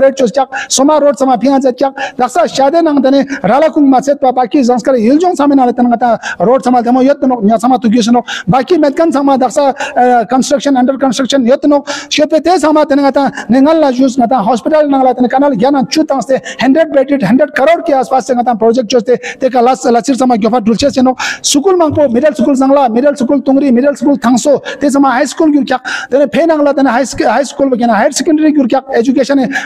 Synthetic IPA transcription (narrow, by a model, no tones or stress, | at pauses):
ɾeʈ̚t͡ʃoskʲak̚somaɾoːɖsɐmaːpʰiãːt͡set̪̚kʲjak̚d̪ɐksaʃaːd̪enãŋt̪ɐneɾaːlakuŋɡmat͡sʰet̪pabaːkizɐskɐɾild͡ʒoŋsamenãːlet̪ɐnŋɡɐt̪ãːɾoːɖsɐmalt̪emojot̪noknʲasɐmaːt̪uɡʲis̬nok̚baːkimet̪̚kɐnsaŋmãd̪ɐksakɐnsʈɾɐkʃɐnɐɳɖɐɾkɐnsʈɾɐkʃɐnjot̪nok̚ʃopet̪esãŋmãːt̪ɐneŋɡɐt̪ãːneŋɐlːad͡ʒusɡɐt̪ãːɦoːspiʈɐlnɐ̃ŋɡlaːt̪enekɐnalɡʲjanãt͡ʃut̪ːɐ̃ŋst̪ehɐɳɖɾeɖ̚beːʈiʈɦɐɳɖɾeɖkɐɾoːɽkeaːspaːst̪eŋɐt̪ãːnpɾoːd͡ʒek̚ʈ̚t͡ʃost̪et̪ekalaslɐsiɾsɐmaɡʲopʰaɖult͡ʃʰesenok̚sukulmaŋpomiɖɐlsukulzɐŋɡlaːmiɖɐlsukult̪uŋɡɾimiɖɐlskult̪ʰɐŋsot̪es̬ɐmãɦajskulɡʲuɾkʰʲak̚t̪enepʰeːnɐŋlat̪eneɦajsɦaːjskulbɐkʲenãɦajʈsekɐɳɖɐɾiɡʲuɾkʲak̚ed͡ʒukeːʃɐne